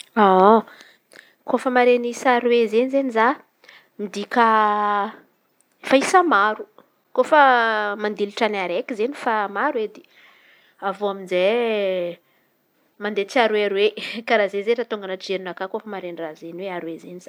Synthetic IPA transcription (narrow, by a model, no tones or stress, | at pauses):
a | kofəmaɾenisaɾwezenizeniza | mid̪ika | faisamaɾu | kofəmand̪iluʈ͡ʂanaɾekʲizenifamaɾwed̪e̥ | avoaminze | mand̪et͡siaɾuweaɾwekaɾazezeɾat̪uŋɡanaʈ͡ʂeɾinakakofəmaɾenirazeniweaɾwezeniz̥a